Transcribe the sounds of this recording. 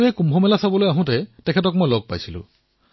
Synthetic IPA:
ɛkumbʱɔmɛlasabɔlojaɦʊ̃tɛtɛkʰɛtɔkmojlɔɡ̚pa̰jsilʊ̰̃

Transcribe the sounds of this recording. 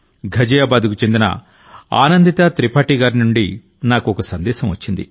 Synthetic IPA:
ɡʱɐd͡ʒɐjaːbaːd̪ukut͡ʃe̞nd̪inɐ̰ | a̰ːnɐnd̪it̪ɐt̪ɾipaːʈiɡaːɾinuɳɖi | naːkuɔkɐsɐnd̪ɛːsɐmʋɐt͡ʃːind̪ḭ

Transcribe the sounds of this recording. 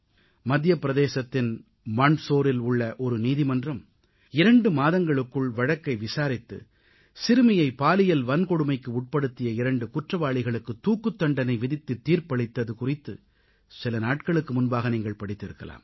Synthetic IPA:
mɐd̪ːɪjɐpɪɾɐðeːsɐt̪ːɪn | mɐɳsoːɾɪlʊɭːɐʔɔɾɯniːðɪmɐndrɐm | ɪɾɐɳɖɯmaːðɐŋɡɐɭɯkːɯɭʋɐɻɐkːɐɪʋɪsaːɾɪt̪ːɯ̰ | sɪɾɯmɐjɐɪpaːlɪjɐlʋɐnkɔɽɯmɐɪkːɯʊʈ̚pɐɽɯt̪ːɪjɐɪɾɐɳɖɯkʊʈrɐʋaːɭɪɣɐɭɯkːɯt̪ːuːkːɯt̪ːɐɳɖɐnɐɪʋɪðɪt̪ːɯt̪ːiːrpɐɽɪt̪ːɐðɯkʊrɪt̪ːɯ | sɪlɐnaːʈ̚kɐɭɯkːɯmʊnbaːɣɐniːŋɡɐɭpɐɽɪt̪ːɪɾɯkːɐla̰ːm

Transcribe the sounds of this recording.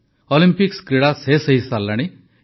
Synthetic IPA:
ɔlimpikskɾeɽasesəɦisalːaɽ̃i

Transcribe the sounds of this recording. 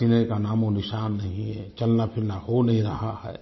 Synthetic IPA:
ɪnẽkanaːmonɪʃaːnːɐɦĩɦɛt͡ʃɐlnapʰɪɾnahonɐɦĩɾɐɦahɛ̰ː

